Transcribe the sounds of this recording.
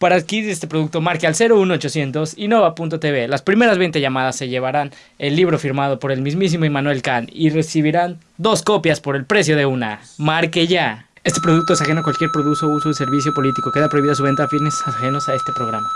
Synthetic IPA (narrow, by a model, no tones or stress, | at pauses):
paɾaːðkiiðest̪e̞pɾo̞ðukt̪o̞maɾkealse̞ɾounoot͡ʃo̞sje̞nt̪o̞sino̞βapunt̪ot̪eβelaspɾime̞ɾazβe̞nt̪azʝamað̞asːe̞ʝe̞β̞aɾan | e̞lːiβ̞ɾo̞fiɾmað̞o̞po̞ɾe̞lmizmis̬imoimãnwelkanire̞siβ̞iɾan | d̪o̞sko̞pjaspo̞ɾe̞lpɾe̞sjo̞ð̞e̞una̰maɾkeʝa | e̞st̪e̞pɾo̞ð̞ukt̪oes̬axe̞noakwalkje̞ɾpɾoðusousoðese̞ɾβisjo̞po̞lit̪iko̞ke̞ðapɾo̞iβiðas̬uβ̞e̞nt̪aːfinesaxe̞no̞sae̞st̪e̞pɾo̞ɣ̞ɾama